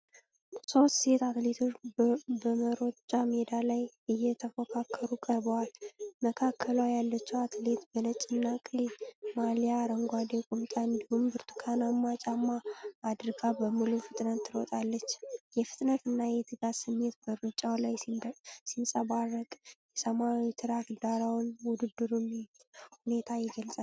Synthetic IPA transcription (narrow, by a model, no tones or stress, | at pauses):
so̞st̪se̞t̪at̪let̪ʰot͡ʃbəməɾo̞t͡ʃʼamed̪alaj | ɨjɛt̪ʰəfəkʰakʰːəɾukʼəɾbəwalməkʰakʰːəlwajalːət͡ʃːɛwat̪ʰle̞t̪bənət͡ʃʼɪnːakʼimaljaɾəŋɡʷad̪ekʼumt̪ʼaɨnd̪ihumbɨɾt̪ʰɨ̥kʰanamːat͡ʃʼamːaːd̪ɨɾɡabəmːɨlufɨt̪ʼnət̪ːɨɾɔ̰t̪ʼalːət͡ʃːjɛfɨt̪ʼnət̪ʰɨnːajɛt̪ʰɨɡasɨmːe̞t̪bəɾɨt͡ʃʼawlajsinsʼəbarːəkʼjɛsəmawit̪ʰɨɾat̪d̪aɾawnwʊd̪ɨd̪ːɨɾumhune̞t̪ʰajɛɡəlsʼal